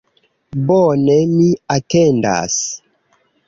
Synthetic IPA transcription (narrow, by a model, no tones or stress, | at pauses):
bɔnemiatenda̰s